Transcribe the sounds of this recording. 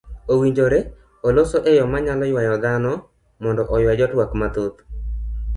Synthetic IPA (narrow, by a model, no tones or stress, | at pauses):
owiɲd͡ʒoɾe | olosoʔejɔmaɲalɔjwajɔd̪anɔ | mɔndɔʔɔjwad͡ʒɔtwakmat̪ot̪